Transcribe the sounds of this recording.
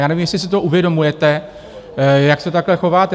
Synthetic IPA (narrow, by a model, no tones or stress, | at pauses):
jaːnɛvimjɛslɪs̬ɪt̪oʔuvjɛdo̞mujɛt̪ɛ | jaksɛt̪aklɛxo̞vaːt̪ɛ